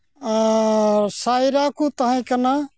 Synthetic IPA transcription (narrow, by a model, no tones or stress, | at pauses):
saːjɾakut̪əɦĩkəna